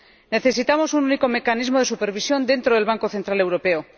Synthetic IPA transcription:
neθe̞sit̪amo̞sununiko̞me̞kanizmo̞ð̞esupe̞ɾβ̞isjo̞nd̪e̞nt̪ɾoð̞e̞lβaŋko̞θe̞nt̪ɾalewɾo̞pe̞o

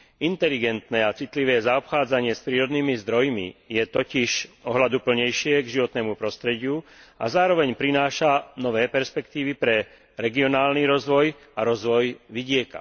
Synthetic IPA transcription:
int̪ɛliɡɛnt̪nɛːat͡sit̪liʋɛːzaɔpxaːd͡zaɲɪɛspɾiːɾɔd̪niːmizd̪ɾɔjmḭjɛt̪ɔciʃɔɦlad̪upl̩ɲɛjʃɪɛɡʒiʋɔt̪nɛːmupɾɔst̪ɾɛɟɪua̰zaːɾɔʋɛɲpɾinaːʃanɔʋɛːpɛɾspɛkt̪iːʋipɾɛ | ɾɛɡiɔnaːlniɾɔzʋɔj | aɾɔzʋɔjʋiɟɪɛka̰

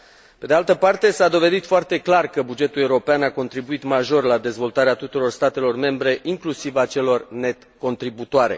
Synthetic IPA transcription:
pe̞d̪ealt̪əpart̪e̞sad̪o̞ve̞d̪it̪foart̪e̞klarkəbud͡ʒe̞t̪ule̞uɾo̞peanako̞nt̪ɾibuit̪maʒo̞rlad̪e̞zvo̞lt̪aɾeat̪ut̪uɾo̞rst̪at̪e̞lo̞rme̞mbɾe̞ʔiŋklusivat͡ʃe̞lo̞rne̞t̪ko̞nt̪ɾibut̪oaɾe̞̰

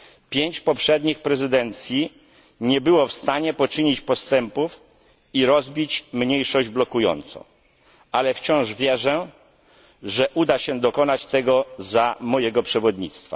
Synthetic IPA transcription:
pʲjeɲt͡ɕpɔpʂɛd̪ɲixpɾɛzɘd̪ɛnt̪sʲji | ɲɛbɘwɔfst̪aɲɛpɔt͡ʂɘɲit͡ɕpɔst̪ɛmpuf | iɾɔzbʲit͡ɕmɲejʂɔʑd͡ʑblɔkujɔ̰nt̪sɔ̰̃ | alɛft͡ɕɔ̃w̃ʐvʲjɛʐɛ | ʐɛʔud̪aɕɛd̪ɔkɔnat͡ɕt̪ɛɡɔzamɔjɛɡɔpʂɛvɔd̪ɲḭt̪st̪fa̰

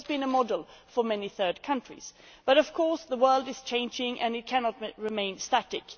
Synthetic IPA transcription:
zbɨ̃nəmɑdl̩ˠfə˞mɛniθɜ˞d̚kʰʌ̃nt͡ʃɹ̥ḭz̥ | b̥ʌɾʌv̥kʰɔɹsðəwɜ˞lˠdɨz̥t͡ʃʰẽɪ̃nd͡ʒɪ̃ŋʔɨ̃nɨt̚kʰænɑt̚ɹɨmẽɪ̃nstæɾɨk

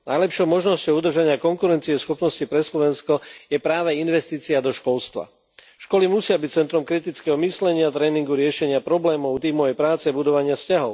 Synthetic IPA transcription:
najlɛpʃɔʊmɔʒnɔscɔʊud̪r̩ʒaɲɪakɔŋkuɾɛnt͡siɛsxɔpnɔscipɾɛslɔʋɛnskɔjɛpɾaːʋɛinʋɛst̪iːt͡siad̪ɔʃkɔlst̪ʋa̰ | ʃkɔlimusɪabic̚t͡sɛnt̪ɾɔmkɾit̪it͡skɛːɦɔmislɛɲɪat̪ɾɛːniŋɡuɾɪɛʃɛɲɪapɾɔblɛːmɔʊt̪iːmɔjɛjpɾaːt͡sɛbud̪ɔʋaɲɪascaɦɔʊ

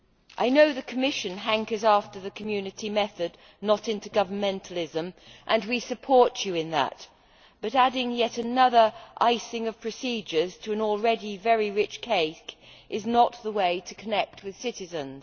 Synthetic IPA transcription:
ʔaɪnoʊðɨkʰəmɪʃɨ̃nɦæ̃ŋkəzæftə˞ðɨkʰmjʉnɨɾimɛθɨdⁿ | nəɾɪ̃ntʉɡʌvə˞mɛ̃ntʰəl̩ˠɪzɨ̃mʔɨ̃nwisɨpʰɔɹt͡ʃɨɨ̃nðə̰t̚ | b̥ʌɾæɾɪ̃ŋjɛɾɨnʌðə˞ʔaɪsɪ̃ŋʌv̥pʰɹ̥ɨsid͡ʒə˞z̥tʰɨɨ̃nl̩ˠɹɛɾivɛɹiɹɪt͡ʃkʰeɪkʔɨznət̪̚ðəweɪɾɨkʰɨnɛk̚t̚wɨð̥sɪɾɨzɨ̃nz̥

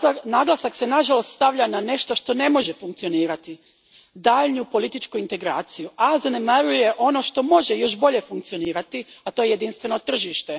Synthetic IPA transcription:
naɡlˠasakse̞naʒalo̞st̪st̪aʋʎʲanane̞ʃt̪oʃt̪o̞ne̞mo̞ʒefuŋk̚tsio̞niːɾat̪i | d̪aʎnupo̞lit̪it͡ʃkuint̪e̞ɡɾaːt̪sijuʔazanemaɾuje̞ʔo̞no̞ʃt̪o̞mo̞ʒejo̞ʃbo̞ʎe̞fuŋk̚t̪sio̞niːɾat̪iat̪o̞jejed̪inst̪ʋe̞no̞t̪r̩ʒiʃt̪e̞

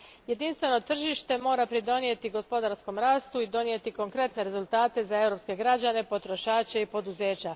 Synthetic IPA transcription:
je̞d̪inst̪ʋe̞no̞t̪r̩ʒiʃt̪e̞mo̞ːɾapɾid̪o̞nie̞t̪iɡo̞spo̞d̪aɾsko̞mɾaːst̪uid̪o̞nie̞t̪iko̞ŋkɾe̞t̪ne̞ɾe̞zulˠt̪aːt̪e̞zaewɾo̞pske̞ɡɾad͡ʑane̞po̞t̪ɾo̞ʃaːt͡ɕaipo̞d̪uze̞ːt͡ɕa

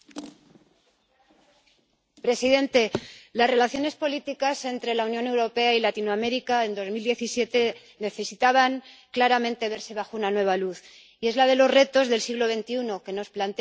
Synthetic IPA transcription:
pɾe̞siðe̞nt̪e̞lasre̞laθjo̞ne̞spo̞lit̪ikase̞nt̪ɾe̞launjo̞ne̞wɾo̞pe̞ailat̪inoame̞ɾikae̞nd̪o̞zmild̪je̞θisje̞t̪e̞ | ne̞θe̞sit̪aβaŋklaɾamẽnt̪e̞β̞e̞ɾse̞βaxounanwe̞β̞aluθ | ie̞zlað̞e̞lo̞zre̞t̪o̞zðe̞lsiɣlo̞βe̞nt̪iuno̞ke̞no̞splant̪e

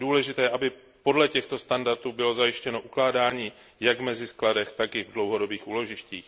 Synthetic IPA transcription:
duːlɛʒɪt̪ɛːʔabɪ | po̞dlɛcɛxt̪o̞st̪andaɾt̪uːbɪlo̞zajɪʃcɛno̞ʔuklaːdaːɲiː | jaɡvmɛzɪskladɛxt̪akɪvdlo̞wɦo̞do̞biːxʔuːlo̞ʒɪʃciːx

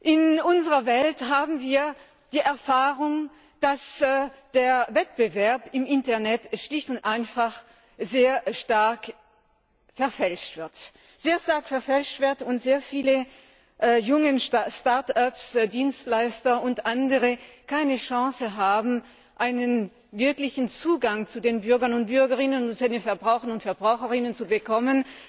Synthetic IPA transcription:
ʔɪnʔʊnzəʁɐvɛlthaːbm̩viːɐ | d̥iːʔɛɐfaːʁʊŋ | d̥asd̥eːɐvɛt̚b̥əvɛɐpɪmʔɪntɐɐnɛtʃlɪçtʊntʔaɪnfaχ | zeːɐʃtaɐk | fɛɐfɛlʃtv̥ɪɐt | z̥eːɐʃtaɐkfɛɐfɛlʃtv̥ɪɐtʊntz̥eːɐfiːlə | ʔjʊŋənʃtaɐtapsdiːnstlaɪstɐʊntʔandəʁəkʰaɪnəʃɑ̃ːsəɦaːbm̩ | ʔaɪnən | vɪɐklɪçn̩t͡suːɡaŋt͡sudeːnbʏɐɡɐnʊnt̚b̥ʏɐɡəʁɪnəntudenfɛɐbʁaʊxɐnʊntfɛɐbʁaʊxəʁɪnənt͡subəkʰɔmən

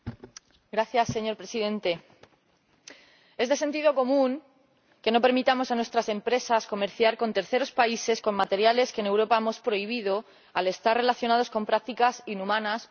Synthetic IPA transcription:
ɡɾaθjasːe̞ɲo̞ɾpɾe̞siðe̞nt̪e̞ | e̞zðese̞nt̪iðo̞ko̞mũŋ | ke̞no̞pe̞ɾmit̪amo̞sanwe̞st̪ɾase̞mpɾe̞sasko̞me̞ɾθjaɾko̞nt̪e̞ɾθe̞ɾo̞spaise̞sko̞mmat̪e̞ɾjale̞ske̞ne̞wɾo̞paemo̞spɾo̞iβ̞ið̞o̞ | ale̞st̪arre̞laθjo̞nað̞o̞sko̞mpɾak̚t̪ikasinumãnas

